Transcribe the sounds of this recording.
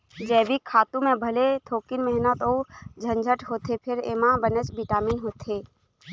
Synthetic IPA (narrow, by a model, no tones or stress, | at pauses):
d͡ʒɛːbikʰːaːt̪ũmẽbʱəlet̪ʰoːkɪnmɛɦnət̪oːd͡ʒʱə̃nd͡ʒʱəʈʰɦoːt̪ʰepʰɪɾemãbənət͡ʃbiʈaːmiːnɦoːt̪eː